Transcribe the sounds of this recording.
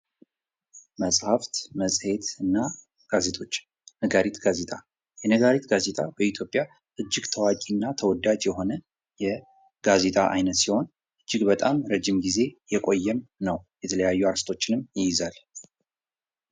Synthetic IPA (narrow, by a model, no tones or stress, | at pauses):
məsʼhaft̪məsʼhe̞t̪ɨnːa | ɡ̥aze̞t̪ʰʼo̞t͡ʃː | nəɡaɾit̪ɡaze̞t̪ʼa | jɛnəɡaɾit̪ɡaze̞t̪ʼabəit̪ʰjo̞pʼja | ʔɨd͡ʒːɪɡt̪ʰəwakʼinːat̪ʰəwɔd̪ad͡ʒjɛɦo̞nə | jɛ | ɡ̥aze̞t̪ʼaʔa̰jnət̪siho̞n | ʔɨd͡ʒːɪɡbət̪ʼamɾəd͡ʒimɡize̞jɛkʼo̞jːɛmnəwjɛt̪ʰələjajːuaɾst̪ʰo̞t͡ʃːɪnɨmjɪjɪzal